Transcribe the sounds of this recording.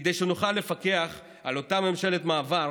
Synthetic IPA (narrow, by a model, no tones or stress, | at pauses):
ed̪ejʃenuχalːe̞fake̞aχ | alo̞tame̞mʃe̞le̞tmaːva